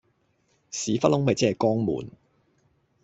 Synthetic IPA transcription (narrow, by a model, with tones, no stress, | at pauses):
siː˨˥fɐ˥t̚hʊ˥ŋmɐ˨jt͡sɛː˥˨kɔː˥ŋmṵː˨n